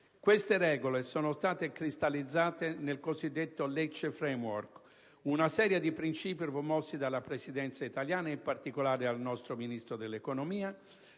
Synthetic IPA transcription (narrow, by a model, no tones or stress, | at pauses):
kwest̪eɾɛːɡolesɔːnost̪aːt̪ekɾist̪alid̪zːaːt̪enelkozid̪ːet̪ːolɛt͡ʃːfɾemwɔrk | unasɛːɾjed̪ipɾint͡ʃiːpipomɔsːid̪alːapɾesid̪ɛnt̪sait̪aljaːnaimpart̪ikolaːɾealnɔst̪ɾominist̪ɾod̪elːekonomiːa